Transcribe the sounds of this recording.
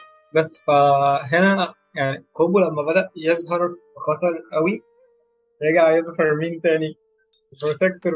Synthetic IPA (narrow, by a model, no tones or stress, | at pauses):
bæsːfæɦenæ | jaʕniqobulæmːæbæd̪æʔjezɦɑɾˤxɑt̪ˤɑɾˤʔæwi | jeɡaʕjezhɑɾˤmiːnt̪æːni | pɾot̪ek̚t̪oɾ